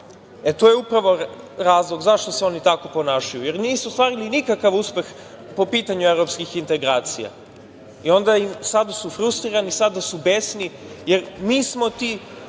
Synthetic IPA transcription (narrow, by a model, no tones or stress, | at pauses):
et̪oːjeupɾaʋo̞ | ɾaːzlˠoɡzaʃt̪o̞seo̞nit̪ako̞po̞naːʃajuje̞ɾniːsust̪vaːɾilinikakaʋuspe̞x | po̞piːt̪aɲuevɾopskixint̪eɡɾaːt̪sija̰ | io̞nd̪aimsad̪asufɾust̪ɾiɾanisad̪asubesnije̞ɾmiːsmo̞t̪i